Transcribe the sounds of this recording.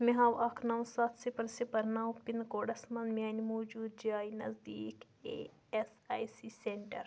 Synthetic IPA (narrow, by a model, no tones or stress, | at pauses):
miɦaːwɐkʰnɐwsat̪ʰsipɐlsipɐɾnaːwpinkoːɽɐsmɐnmiɐnʲimoːd͡ʒuːd̪̚d͡ʒaːjnɐ̰zd̪iːk | ḛ | esaːjsiseɳʈɐɾ